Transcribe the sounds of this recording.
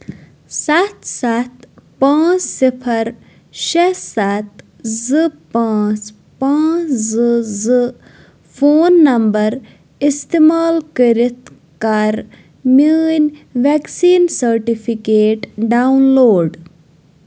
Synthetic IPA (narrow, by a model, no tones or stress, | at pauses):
sat̪sat̪pãːt͡ʃsipʰɐɾ | ʃesat̪ | zɨpãːt͡ʃ | pãːt͡ʃzɨzɨ | fʰoːnːɐmbɐɾ | ist̪imaːlkəɾit̪ | kɐɾ | minʋɛksiːnsɐɾʈipʰikeːʈɖaunloːɖ